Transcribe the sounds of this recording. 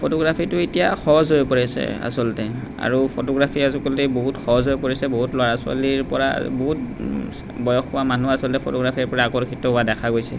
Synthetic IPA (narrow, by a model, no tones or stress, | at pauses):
pʰotɔɡɹapʰitʊetijaxɔzojpɔɹisɛ̰a̰sɔltɛ | a̰ɹupʰotɔɡɹapʰiazukɔlteboɦutxʰɔɔzɔjpoɹisɛboɦutloaasʊa̰liɹpɔɹa̰boɦut̚ | bɔjɔxʊwamanuasɔltɛpʰotɔɡɹapʰiɹpɔɹaːkɔɹkʰitɔɦʊwadɛkʰaɡojsɛ